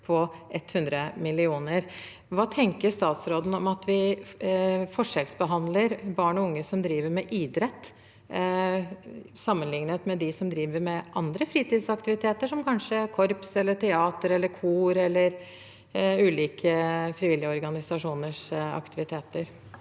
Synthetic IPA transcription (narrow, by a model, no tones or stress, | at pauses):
pʰɔʔɛt̪ːhʉnd̪ɾəmɪlɪuːnəɾ | ʋɑːt̪ʰɛŋkəɾst̪ɑːt̪sɾoːd̪n̩ɔmɑt̪ʋɪ | fɔʂɛlsbəɦɑnd̪ləɾbɑːɳɔʊŋːəsɔmd̪ɾiːʋəɾmɛʔiːd̪ɾɛt̪ː | sɑmːənlɪŋnət̪mɛd̪ɪsɔmd̪ɾiːʋəɾmɛʔɑnd̪ɾəfɾiːt̪iːd̪sɑkt̪ɪʋɪt̪ʰeːt̪əʂɔmkʰɑnʂəæɾkʰɔɾpsɛlːəʈʰɛɑːt̪əɾɛlːəɾkʰuːɾɛlːəɾ | ʉːliːkʰəfɾɪʋɪlːɪəɔɾɡɑnɪsɑʂuːnəʂɑ̰kt̪ɪʋɪt̪ʰeːt̪əɾ